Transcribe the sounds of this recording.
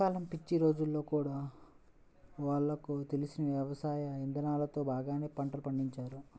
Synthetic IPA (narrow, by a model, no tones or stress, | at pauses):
aːlɐmpit͡ʃːiɾo̞ːd͡ʒulːo̞ːkuːɽaː | ʋaːɭːɐkut̪e̞lisinɐʋjjɐʋɐsaːjɐind̪ɐnaːlɐt̪o̞ːbaːɡaːne̞ːpɐɳʈɐlupɐɳɖiɲt͡ʃaːɾu